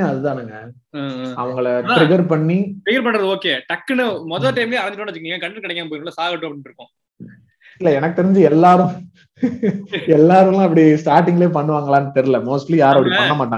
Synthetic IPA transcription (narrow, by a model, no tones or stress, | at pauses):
ɐðɯt̪ãːnaːŋɡɐ | ɐʋɐŋɡɐɭɾɪɡɐɾpɐɳːitɾɪɡɐɾpɐɳɾɐðɯoːkːeːʈɐkːɯnɯmɔðɐlʈɐɪmleːɐɾɐɲd͡ʒɪʈːoːɳʋɐt͡ʃːɯkːniːŋɡɐkɐɳɖɐnkɪɽɐkːãːmpoːɾŋɡɭlːɐsaːɣɐʈːõɐpɐɽɪ̃nʈɾɯkːʊ̃ | ɪlːɐɛnɐkːɯt̪ɛɾɪɲd͡ʒɯɛlːaːɾɯ̃ | ɛlːaːɾɯlãːɐp̬ːɐɽisʈaːɾʈ̬ɪŋɡɐleːpɐɳːɯʋaːŋɡɐɭãːnːɯt̪ɛɾɪlɐmoːsʈlijaːɾɐpːɐɽipɐɳːɐmaːʈːaːŋɡɐ